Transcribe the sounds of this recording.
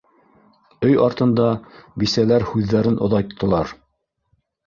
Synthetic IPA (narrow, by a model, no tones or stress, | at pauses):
ɵjɑɾt̪ɤ̆nd̪ɑbisælæɾhʉðːæɾɘnʔŏðɑjt̪ʰːɤ̆lˠɑɾ